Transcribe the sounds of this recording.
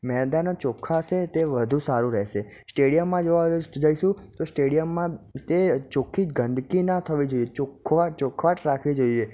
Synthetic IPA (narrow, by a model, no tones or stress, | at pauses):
mɛɦd̪anot͡ʃokʰaʃet̪eʋəd̪ʱũsaɾũɾɛɦʃe | sʈeɽijəmːãd͡ʒoʋad͡ʒaiʃũt̪osʈeɽijəmːãt̪et͡ʃokʰid͡ʒɡənd̪ʱkinat̪ʰəʋid͡ʒoiet͡ʃokʰʋat͡ʃokʰʋaʈɾakʰʋid͡ʒoie